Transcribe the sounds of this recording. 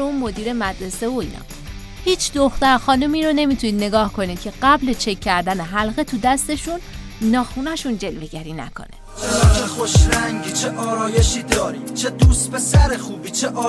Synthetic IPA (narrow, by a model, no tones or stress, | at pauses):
eunmo̞d̪iːɾe̞mæd̪ɾe̞se̞voḭːnʔɒ̰ː | hiːt͡ʃʰd̪oxt̪æɾxɒːnumiːɾo̞ne̞mit̪ʰuniːd̪ne̞ɡɒːhkʰo̞niːd̪̥̚cʰe̞ɢæblet͡ʃʰe̞cʰːæɾd̪æne̞ɦælɣe̞t̪ʰud̪æst̪e̞ʃunːɒːxuːnæʃund͡ʒe̞lve̞ɟæɾiːnæ̰kʰo̞̰ne̞̰ | t͡ʃʰexoʃɾæŋɟiːt͡ʃʰeʔɒːɾɒːje̞ʃiːd̪ɒːɾi̥t͡ʃʰed̪uːst̪̚be̞sæɾexuːbiːt͡ʃʰeʔɒː